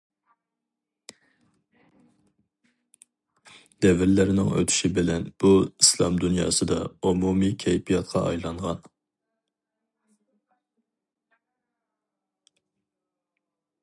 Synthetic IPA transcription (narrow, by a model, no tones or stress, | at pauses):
d̪̥ɛvɪɾlɪɾɪnɪŋø̰t̪ʰy̥ʃibɪlɛnb̥uislˠɑmd̪unjɑ̰ːsɨd̪ɑumumikʲʰɛjpʰijɑt̪̚qʰɑ̰ʔɑjlˠɑɴʁɑn